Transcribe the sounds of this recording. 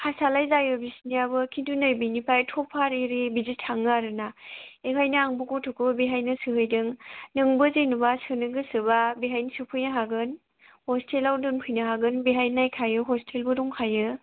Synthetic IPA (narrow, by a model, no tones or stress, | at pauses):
hasalajzajɯbisniabɯkʰidunɯjbinipʰajtʰɔpʰaɾiɾibizitʰːaŋɯaɾɯnaeɦʰajnɯaŋbuɡɔtʰukʰɯbabiɦajnɯsɯɦɯjdɯŋnɯŋbɯzenɯbasɯnɯɡɯsɯbabiɦajnɯsɯpʰɯjnaɦaɡɯn | hɔstʰelawdɯŋpʰɯjnɯɦaɡɯnbiɦajnajkʰajɯɦɔstʰelbɯduŋkʰajɯ